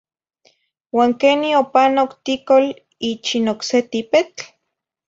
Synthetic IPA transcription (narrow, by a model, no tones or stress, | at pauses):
waːŋkeniopanokt̪ikol | it͡ʃinokset̪ipet͡ɬ